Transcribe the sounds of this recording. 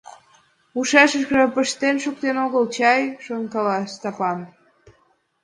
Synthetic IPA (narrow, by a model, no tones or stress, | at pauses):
uʃɑʃəʃkʒɑpəʃt̪enʃuk̚t̪enoɣəlt͡ɕɑjʃoŋkɑlɑst̪ɑpɑn